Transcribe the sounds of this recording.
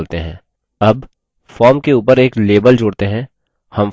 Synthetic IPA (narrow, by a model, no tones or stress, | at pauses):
lt̪eɦɛ̰̃ː | ɐb | fɔːɾmkeuːpəɾeːkleːbəld͡ʒʊːɽt̪eɦɛ̃ | hɐm